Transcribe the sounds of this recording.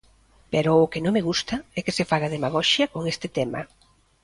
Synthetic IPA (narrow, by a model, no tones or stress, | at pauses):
pɛɾʊʊkɪnõŋmeɣust̪ɐɛkɪsefaɣɐðemaɣ̞ɔʃjɐkoŋest̪ɪt̪ɛmɐ̰